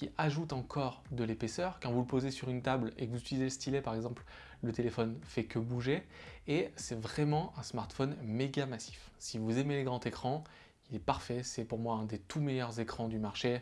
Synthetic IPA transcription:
kʲiʔaʒut̪ɑ̃kʰɔʁd̪əlepesœʁkɑ̃vuləpozesyʁynt̪ablḛkəvuzyt̪ilizeləst̪ilɛpaʁɛɡzɑ̃pl | lət̪elefɔnfɛkəbuʒeː | sɛvʁɛmɑ̃ʔɛ̃smaʁt̪fɔnmeɡamasi̥f | sivuzemeleɡʁɑ̃t̪ekχɑ̃ | ilɛpaʁfɛsɛpuʁmwaɛ̃d̪et̪ʰumejœʁzekχɑ̃d̪ymaʁʃe

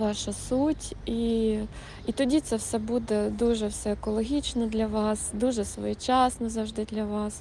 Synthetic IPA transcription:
ʋɑʃɐsutʲi | it̪ɔdʲit̪sɛwsʲɛbud̪ɛd̪uʐɛwsʲɛːkɔlˠɐɦʲit͡ɕnɐd̪lʲɐʋɑsd̪uʐɛsʋɔ̰jit͡ɕasnɐzɐwʐd̪ɪd̪lʲɐʋɑs

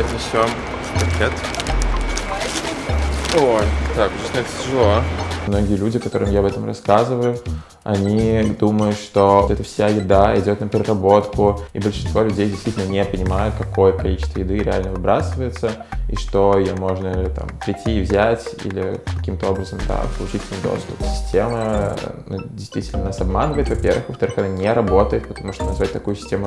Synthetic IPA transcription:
t̪ʲnʲɪɕʲom | pɐkʲet̪ | ojt̪akʊʐasnaɛt̪ətʲɪʐɨlˠomno̞ɡʲɪjəlʲudʲɪkɐt̪o̞ɾɨmjaɐbɛt̪əmrɐ̰skazɨvəjʊ | ɐ̰nʲid̪uməjʊt̪ʂt̪oɛt̪əfsʲajɪd̪aɪdʲo̞t̪nəpʲɪɾʲɪrɐbo̞t̪kʊḭbəlʲʂɨnst̪volʲʉdʲejdʲɪst̪vʲitʲɪlʲnənʲepənʲɪmajʊt̪̚kɐko̞jəkɐlʲit͡ɕɪst̪vəjɪd̪ɨɾʲɪa̰lʲnəvɨbɾasɨvəjɪt̪səḭʂt̪o̞ɪjomo̞ʐnət̪a̰mpɾʲɪtʲːiːvzʲætʲḭlʲɪ̰kɐ̥kʲimt̪əo̞bɾəzəmd̪a̰pəlˠʊt͡ɕitʲɪlnɨjd̪o̰st̪ʊ̥psʲɪ̥sʲtʲemənṵdʲɪjst̪vʲitʲɪlʲnənasɐbmanəvəjɪt̪vɐpʲervɨxvəft̪ɐɾɨxɐnanʲeɾɐbo̞t̪əjɪt̪̚pət̪ɐmuʂt̪onɐzvat̚ʲt̪ɐkujʊsʲɪ̥sʲtʲemʊ

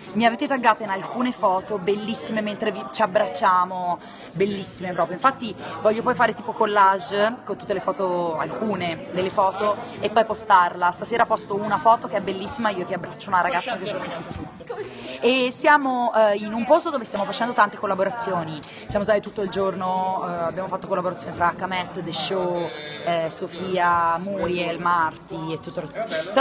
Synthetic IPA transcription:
miaveːt̪et̪aɡːaːt̪oinalkuːnefɔːt̪obelːisːimement̪ɾevit͡ʃiabːɾat͡ʃːaːmo | belːisːimepɾɔpɾjoiɱfat̪ːivɔʎːopɔjfaːɾet̪iːpokolːaʒkont̪ut̪ːelefɔːt̪oa̰lkuːned̪elːefɔːt̪oepːɔjpost̪arlast̪aseːɾapɔst̪ounafɔːt̪ok̟eɛbːelːisːimaiokeabːɾat͡ʃːounaɾaɡat̪sːakesst̪ant̪isːimo | esːjaːmoinumpost̪od̪oːvest̪jamofat͡ʃɛnd̪ot̪ant̪e̥kolːaboɾat̪sːjoːni | sjamost̪aːt̪it̪ut̪ːoild͡ʒornoabjaːmofat̪ːokolːaboɾat̪sːjoːnifɾaːkːamɛt̪ːd̪eʃːo | sofiːamuːɾjelmart̪iet̪ːut̪ːoɾot̪

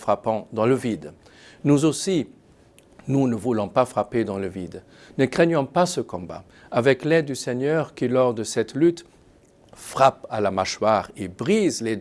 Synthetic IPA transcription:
fχapɑ̃d̪ɑ̃ləvid̪ | nuzosi | nunəvulɔ̃pafχaped̪ɑ̃ləvid̪ | nəkχɛɲjɔ̃pasəkɔ̃ba̰ | avɛklɛd̪ːysɛɲœʁkilɔʁd̪əsɛt̪lyt̪ | fχapalamaʃwaʁebʁizle

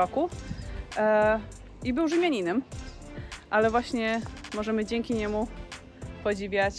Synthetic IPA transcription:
ɔku | ibɘwʐɘmʲjaɲinɘm | ʔalɛvwaɕɲɛmɔʐɛmɘd͡ʑɛŋkʲiɲɛmu | pɔd͡ʑivʲjat͡ɕ

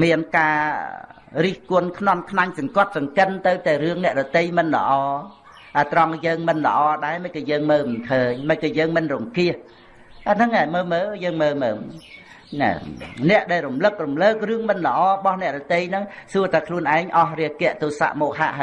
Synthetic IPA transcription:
miənkaː | riːhkʊ̆ənkʰnonkʰnaɲsɑŋkŏət̪̚sɑŋkənt̪ɨwt̪aɛrɨəŋnɛ̆əʔɗɔt̪ejmɨnlə̰̆ʔɑː | ʔəːt̪rɑŋjəːŋmɨnlə̰̆ʔɑːɗaɛməc̚kɑːjəːŋməːwmɨnkʰəːɲməkɑːjəːŋmɨnrumkiəh | ʔanɨŋːaɛməːməːjəːŋməːməː | na̰nɛ̆əʔɗaɛlrumlɨk̚rumləːk̚rɨəŋmɨnlə̆ʔɑːɓɑhnɛ̆əʔɗɔt̪ejnɨŋsuət̪akʰluənʔaɛŋʔɑhriəkɛ̆əʔt̪uːsa̰ʔmɔːk̚ha̰ʔha

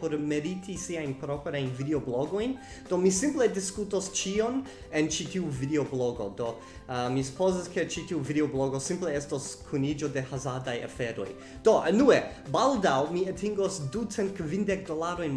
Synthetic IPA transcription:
poɾme̞ɾitʰisiajnpɾopɾajnvideobloɡojn | d̥omisimplediskutost͡ʃion | ent͡ʃitiuvideobloɡo̞̰do | əmisu̥poziske̞t͡ʃitiuvideobloɡosimpleestoskʰunid͡ʒo̞de̞hazadaja̰feɾo̞̰j | d̥onue | baldawmiatʰiŋɡosdut͡sent̚kvindek̚dolaɾo̞jn

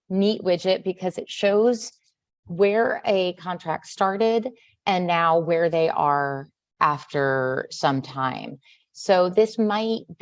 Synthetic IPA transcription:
niʔwɪd͡ʒɪt̚b̥ɨkʰʌzɨtʃoʊz | wə˞ɨkʰɑ̃ntʰɹ̥æ̰k̚tstɑɹɾɪɾ | ʔɨ̃nːaʊwə˞ðeɪʔə˞ | ʔæftə˞sʌ̃mtʰãɪ̃m | soʊðɪsmaɪt̚b̥

